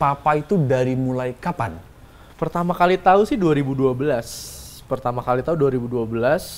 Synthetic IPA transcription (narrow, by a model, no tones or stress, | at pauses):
papait̪udaɾimulajkapan | pərt̪amakalit̪ausɪhduaɾibuduabəlaspərt̪amakalit̪auduaɾibuduabəlas